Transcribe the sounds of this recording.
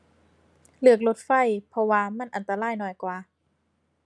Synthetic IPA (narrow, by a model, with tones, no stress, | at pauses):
lɯ˧˩ək̬̚lo˧˦˥t̪̚fa˧˩jpʰɔ˧waː˧ma˧˥˨nʔa˨nt̪aː˧laː˧˥˩jnɔː˧˩jkwaː˧˩